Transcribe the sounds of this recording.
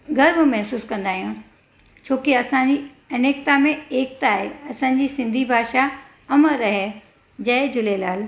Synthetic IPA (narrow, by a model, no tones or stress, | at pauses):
ɡɐɾmmɐɦsuːskɐ̃nd̪aːɦijũ | t͡ɕʰoːkiɐsãd͡ʑi | ɐneːk̚t̪amẽeːk̚t̪aːɦeɐsãːɲ̆d͡ʑiːsɪ̃nd̪ʱibʱaːʃa | ɐməɾɐɦe | d͡ʑɐd͡ʑʊlelaːl